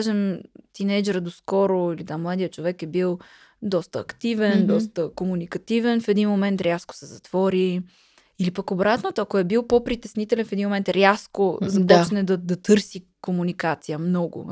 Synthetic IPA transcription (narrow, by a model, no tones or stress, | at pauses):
aʒɛmt̪inɛjd͡ʒɛɾəd̪oskɔɾoilid̪amlˠad̪ijət͡ʃovɛkɛbilˠ | d̪ɔst̪əːkt̪ivɛnd̪ɔst̪əkomunikɐt̪ivɛnfɛd̪inmomɛnt̪ɾʲjasko̥sɛzɐt̪v̥ɔɾi | ilipəkobɾat̪not̪oɐkoɛbilˠpopɾit̪ɛsnit̪ɛlɛnfɛd̪inmomɛnt̪ɾʲaskozɐpɔt͡ʃnɛd̪ɐd̪ɐt̪ɤɾsikomunikat̪sijəmnɔɡo̰